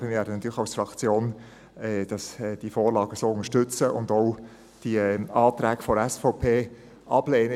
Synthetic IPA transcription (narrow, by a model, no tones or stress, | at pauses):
əmɪvʋɛːɾdənɑt̪yːɾlɪəxɑʊsfɾɑkt͡sjoːn | ɛd̥ɑsd̥ifoːɾlɑːɡəsoːʊnəʃtʏt͡səʔʊndɔʊ | d̥iɑːt̪ɾæːkfɔɾɛsfɔʊpʰeː | ʔɑb̥leːnə